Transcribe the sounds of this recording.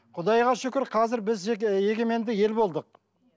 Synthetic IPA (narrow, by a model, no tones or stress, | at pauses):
qʰʊd̪ɑjʁɑʃʏkʲɪɾqʰɑzɪɾbɪze̞ɡʲe̞me̞nd̪ɪje̞lbo̞lˠd̪əq̚